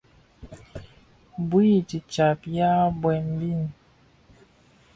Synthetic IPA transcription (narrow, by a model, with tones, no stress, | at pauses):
bwi˦˨ti˨t͡ʃa˨pja˦bwɛ˨mbi˦˨n˨